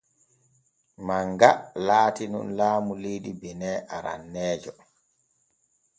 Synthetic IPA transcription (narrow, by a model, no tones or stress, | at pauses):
maŋɡalaːtinṵnlaːmulejɗibɛnɛʔaɾa̰nːɛːd͡ʒɔ